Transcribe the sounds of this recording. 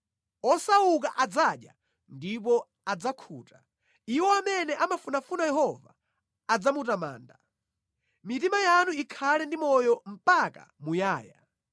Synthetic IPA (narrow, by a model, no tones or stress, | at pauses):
ɔsauk̬aʔad͡zaɗja̰ | ndip̬ɔ | ad͡zakʰṵːta | iwɔamɛnɛʔamafunafunajɛɦɔva̰ː | d͡zamutama̰ːnda | mitimajanuikʰalɛndimɔjɔm̩paka̰mujaːja